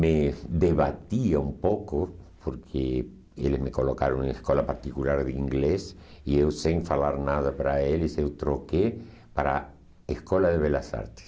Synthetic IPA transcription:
meðeβat̪iaumpokopʰoɾkʰe | ḛlezmekolokaɾoŋeskolapaɾt̪ikulaɾðiŋɡlesiewseŋfalaɾnaðapaɾaelesewt̪ɾoke | paɾa̰ | eskolaðeβelasa̰ɾt̪e̥s

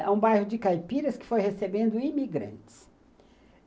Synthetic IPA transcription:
ɛ̰ũbajhʊd͡ʒɪkajpiɾɐskɪ̥fojɦesebẽnd̪ʊimiɡɾɐ̰̃nt͡ʃɪ̥s

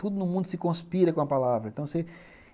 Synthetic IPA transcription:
t̪ud̪ʊnʊmũnd̪ʊsɪkõspiɾɐkõɐpalavɾɐẽt̪ɐ̃w̃se

